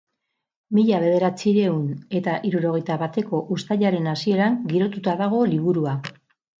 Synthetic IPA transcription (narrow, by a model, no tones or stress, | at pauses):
miʎaβ̞e̞ð̞e̞ɾat͡siɾe̞une̞t̪aʔiɾuɾo̞ɣ̞e̞jt̪aβat̪e̞ko̞ʔust̪aʎaɾe̞nasie̞ɾaŋɡiɾo̞t̪ut̪aðaɣ̞o̞liβ̞uɾua